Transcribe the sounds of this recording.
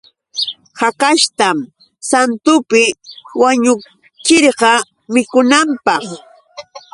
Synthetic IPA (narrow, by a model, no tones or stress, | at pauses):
hakaʃt̪am | sant̪ʊpɪwaɲʊ | kɪɾɢɑ | mɪkʊnampɑχ